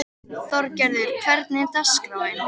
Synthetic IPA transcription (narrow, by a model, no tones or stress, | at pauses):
θɔɾcɛɾðʏɾ̥kʰv̥ɛɾt̪̚nɪt̪askɾaːwɪn